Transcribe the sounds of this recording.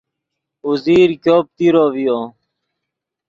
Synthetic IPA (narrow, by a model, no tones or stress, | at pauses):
uziːɾkoːp̚t̪iɾoːʋijoː